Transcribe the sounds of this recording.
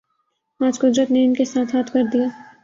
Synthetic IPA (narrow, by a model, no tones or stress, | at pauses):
aːd͡ʒkʊd̪ɾət̪neɪnkesaːt̪ʰɦaːt̪ʰkɐɾd̪ijaː